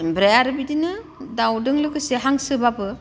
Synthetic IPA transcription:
bɾajaɾɯbidinɯdawdɯŋlɯkɯseɦaŋsɯbabɯ

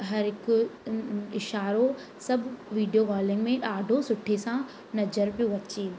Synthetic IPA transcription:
ɦɐɾɦɪkʊ | ɪʃaːɾo | sɐbʱʊʋiːɖijoɣɔːlɪ̃ŋɡmẽɗaːɖʱosʊʈʰesã | nɐd͡ʑəɾbɪʋɐt͡ɕe

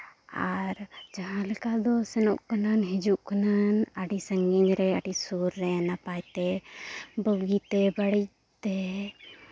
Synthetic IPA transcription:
aɾd͡ʒəɦãləkad̪ɔsɛnɔʔkənanɦid͡ʒuʔkənanaɖisəŋɡinɾɛaɖisuɾːɛnapajt̪ɛ | bəɡit̪ɛbəɽi | t̪e

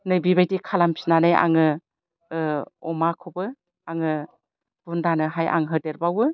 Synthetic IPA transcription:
nɯbibajdikʰalampʰi̥nanaja̰ŋɯ | ɔmakʰobɯ | aŋɯ | b̥undanɯɦaja̰ŋɦɯdeɾbawɯ

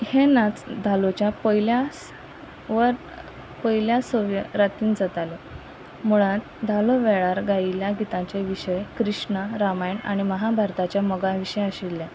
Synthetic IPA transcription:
henãt͡sd̪ʱalot͡ɕjapəjljas | ʋəɾ | pəjiljasoʋjəɾat̪iːnd͡zat̪ale | muɭãt̪ | d̪ʱaloʋeɭaɾɡailjaɡit̪ãt͡seʋiɕəjkɾiʂɳəɾamajɳa̰ɽ̃iməɦabʱaɾt̪at͡ɕjaməɡaʋiɕəjaɕilːa

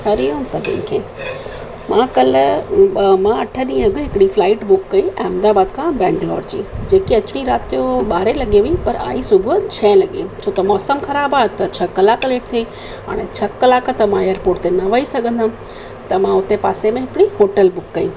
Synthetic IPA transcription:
ɦɐɾijõmsɐbʱɪ̰nkʰḛː | mãːkɐl | mãɐʈʰəɗĩːɦɐɡʱʊɦɪkɽiflaːɪʈbʊkːɐiʔɛ̃ːɐmd̪aːbaːd̪kʰãbɛ̃ːɳɖlɔːɖd͡ʑḭːd͡ʑeːkiɐt͡ɕɪɽ̃iɾaːt̪ijoɓaːɾelɐɠiɦuĩpɐɾa̰ːisʊbʱʊt͡ɕʰɐ̃ːlɐɠĩt͡ɕʰoːt̪ɐmɔːsəmxɐɾaːbaːet̪ɐt͡ɕʰɐkəlakɐleːʈ̚t̪ʰi | ɦa̰ːɽ̃et͡ɕʰɐkːəlakət̪ɐmãejəɾpoːɾʈt̪enɐʋəisɐɡʱə̃nd̪ã | t̪ɐmãʊt̪epaːsemẽɦɪkɪɽiɦoːʈəlbʊkːɐḭ̃

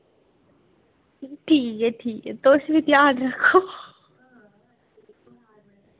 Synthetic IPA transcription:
ʈʰiːkeʈʰiːket̪oːsbit̪jaːɖɾɐkʰːoː

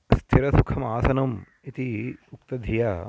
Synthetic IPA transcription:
st̪ʰiɾɐsukʰɐmaːsɐnɐm | it̪iukt̪ɐd̪ʱija

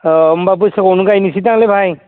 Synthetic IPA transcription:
mbab̬usakɔnukajnisit̬aŋlebʱaj

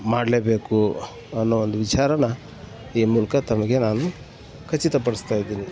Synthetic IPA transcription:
maːɽleːbe̞ːku | ɐnːuʋond̪uʋit͡ʃaːɾɐnɐ | iːmuːlɐkɐt̪ɐmɐɡe̞naːnu | kʰɐt͡ʃːit̪ɐp̬ɐɽist̪aːjid̪iːni

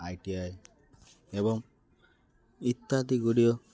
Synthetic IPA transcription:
ajʈiae | ebɔŋ | it̪ːat̪iɡuɽio

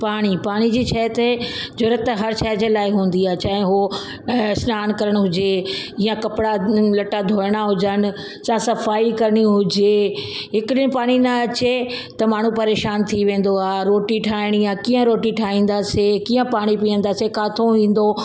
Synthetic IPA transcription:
paːɽ̃ipaːɽ̃id͡ʑiːt͡ɕʰaːjət̪ed͡ʑoːɾət̪ːɦɐɾt͡ʃʰaːɦd͡ʑelaːɪɦũːn̆d̪iaːɦet͡ɕaːɦɪ̃ɦo | snaːnkɐɾəɽ̃ɦʊd͡ʑeiːãkɐpɪɽalɐʈad̪ʱoːɾɽ̃aɦʊd͡ʑənɪ̆ | sãsɐfaːikɐɾəɽ̃iɦʊd͡ʑeɦɪkɪɗɪnɪ̆paːɽ̃inɐɐt͡ɕe | t̪ɐmaːɳ̤ũpɐɾeːʃaːnt̪ʰiʋẽːn̆d̪oaːɾoːʈiʈʰaːɪɽ̃ijãkiːə̃ɾoːʈiʈʰaːĩːn̆d̪aːsekiːə̃paːɽ̃ipiə̃nd̪aːsekaːt̪ʰoʋĩːn̆d̪o

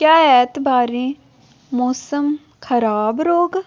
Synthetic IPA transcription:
kjaːɛːt̪baːɾĩː | moːsəm | kʰɐɾaːbɾoːɡ

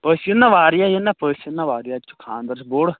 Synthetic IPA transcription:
pəːsənːãʋaːɾjajenapəːsənːãʋaːɾɪjat͡ʃʊ̥kʰaːnd̪əɾsboɽ

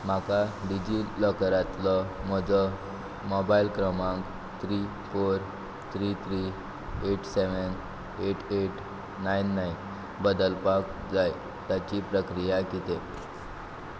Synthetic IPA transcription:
m̤akaɖid͡ʑiləkɾat̪ləm̤əd͡zə | mɔbailkɾəmãŋk | t̪ʰɾi | foɾ | t̪ʰɾit̪ʰɾi | eʈsɛʋən | eʈʰeʈ | najnːai | bəd̪əlpak̚d͡zaj | t̪jat͡ɕipɾəkɾijakit̪e

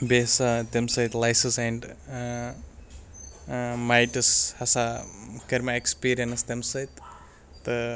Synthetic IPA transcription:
besat̪emsɐjt̪lajsɨsɛɳɖ | majʈɨshɐsakɐɾmaekspiːɾijɐnɐst̪emsɐjt̪ | t̪ɨ

